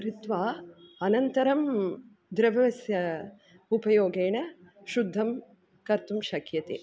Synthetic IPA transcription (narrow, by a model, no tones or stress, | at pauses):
ɾit̪ʋaːɐnɐnt̪ɐɾɐm | d̪ɾɐʋɐʋɐsjɐ | upɐjoːɡeːɳɐ | ʃud̪ʱːɐm | kɐɾt̪umʃɐkʰjɐt̪ḭ